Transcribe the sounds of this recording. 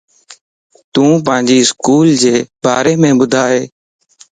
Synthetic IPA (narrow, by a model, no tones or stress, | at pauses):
t̪ũːp̬ə̃ːɲd͡ʒiːɪskuːld͡ʒeːbaːɾeːmẽːbʊd̪ʱaːɦeː